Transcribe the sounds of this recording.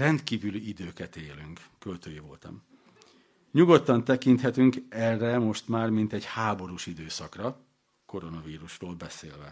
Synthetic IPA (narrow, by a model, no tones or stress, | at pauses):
rɛnt̪kiːvyliid̪øːkɛt̪eːlyŋk | kølt̪øːjivo̰lt̪ɒ̰m | ɲuɡo̞t̪ːɒnt̪ɛkint̪hɛt̪yŋkɛrːɛmo̞ʃt̪maːrmint̪ɛɟhaːbo̞ɾuʃid̪øːsɒkrɒ | ko̞ɾo̞nɒviːɾuʃroːlbɛseːlvɛ̰